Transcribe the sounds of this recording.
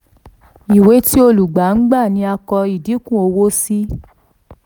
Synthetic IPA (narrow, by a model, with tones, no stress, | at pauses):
i˨we˨˦ti˦o˧lu˨ɡ͡ba˨˦n̩˦ɡ͡ba˦˨nĩ˨˧˦a˧kɔ˧i˨di˨˦kũ˦˨o˧wo˦si˦